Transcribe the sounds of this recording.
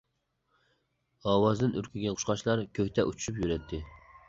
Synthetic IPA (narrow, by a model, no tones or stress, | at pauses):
ɑːwɑzd̪ɨnʔyɾkʲʰiɡʲɛqʰʊ̥ʃqɑʃlˠɑɾkʲʰøhʲt̪ɛʔut͡ʃʰy̥ʃypjyɾɛt̪ʰːɪ